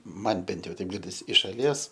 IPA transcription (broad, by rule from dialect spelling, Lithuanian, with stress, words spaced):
ˈmɐn ˈbʲɛnt ˈjɛʊ ˈtʲɛɪp ˈɡʲɪrʲdʲɪs ɪʃ ʃɐˈlʲiɛs